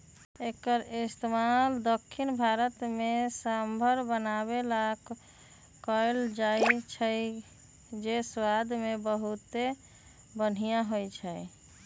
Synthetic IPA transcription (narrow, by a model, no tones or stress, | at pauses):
ekəɾist̪emald̪əkʰːinbʱaɾət̪mesambʱəɾbənabelak | kəld͡ʒajt͡ʃʰəj | d͡ʒeswad̪ʱmebəɦut̪ːe | bən̤ijãɦojt͡ʃʰəj